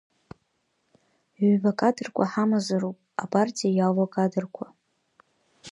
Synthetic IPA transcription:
bakʼadɨrkʷʰʼaħamazaɾupʼapʼartʼijajawakʼadɨrkʷʰa

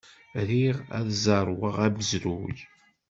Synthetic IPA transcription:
ɾiʁæ̰ðzɑɾˤwəʁæbəzɾuʝ

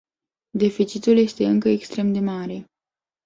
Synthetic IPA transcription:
d̪e̞fit͡ʃit̪ulje̞st̪e̞ɨŋkəekst̪ɾe̞md̪e̞maɾe̞

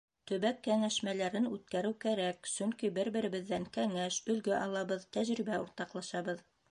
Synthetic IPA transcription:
t̪ɵ̆βækːæŋæʃmælæɾɘnʉt̪̚kæɾɘwkæɾæksɵŋkibɘɾbɘ̆ɾɘ̆βɘ̆ðːæŋkæŋæʃɵ̆lɡɘʔɑlˠɑβɤðt̪æʑɾiβæuɾt̪ɑqlˠɑʃɑβɤð

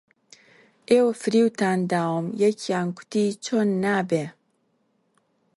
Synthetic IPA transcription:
ʔewfɾiwt̪and̪aːwmjɛkʰjankʷʰʊ̥t̪it͡ʃʰonːaːbe

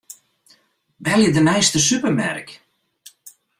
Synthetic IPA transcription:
bɛljədənɛjstəsypəmɛ̰rk

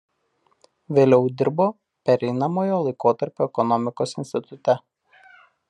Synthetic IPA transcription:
ʋʲeːlʲɛʊd̪ʲɪɾboː | pʲɛɾʲɛɪnɐmoːjoːlˠɐɪkoːt̪ɐɾʲpʲoːɛkɔnɔmʲɪkoːsɪnʲsʲt̪ʲɪt̪ʊt̪ʲɛ

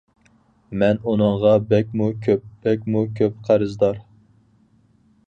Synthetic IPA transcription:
mɛnunɨŋʁɑbɛkʲmukʲʰøp̚b̥ɛk̚ʲmukʲʰøpqʰæɾɨzd̪ɑɾ

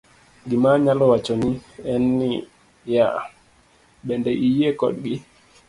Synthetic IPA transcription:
ɡimaɲalɔwat͡ʃɔniɛnːi | ja̰ | ɓɛndɛʔijiekɔ̰ɗɡi

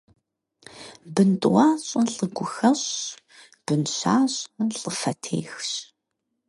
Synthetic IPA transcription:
bɨntʼwaːɕʼɨnɬʼɨɡʷʊxɐɕ | b̥ɨnɕa̰ːɕʼnɬʼəfɐtʰḛːxɕ

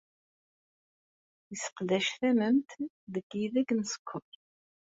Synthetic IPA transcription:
jəsə̥qlæʃθæməmt̪ | ðəɡiðæɡnəsə̥kʷʰːʊɾ

